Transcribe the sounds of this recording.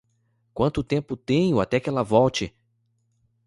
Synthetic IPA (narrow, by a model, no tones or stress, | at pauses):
kwɐ̃nt̪ʊt̪ẽmpʊt̪ẽj̃ʊat̪ɛkɪɛlɐvɔwt͡ʃɪ